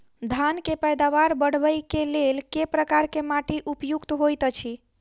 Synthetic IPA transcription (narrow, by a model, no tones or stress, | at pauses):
d̪ʱankepəjd̪aʋaɾbəɽ̤ʋəjkelelkepɾəkaɾkemaʈiʔupjukt̪ɦojt̪ət͡ʃʰi